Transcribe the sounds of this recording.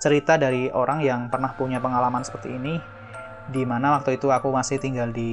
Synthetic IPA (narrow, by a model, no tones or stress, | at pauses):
t͡ʃəɾit̪adaɾiʔoɾʔaŋjaŋpərnahpuɲapəŋalamansə̥pərt̪iːni | dimanawak̚t̪oit̪uakumasɪht̪iŋɡaldi